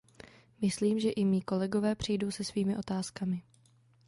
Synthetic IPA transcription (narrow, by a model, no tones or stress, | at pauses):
mɪsliːmʒɛʔɪmiːko̞lɛɡo̞vɛːpr̝̥ɪjdowsɛsviːmɪʔo̞t̪aːskamɪ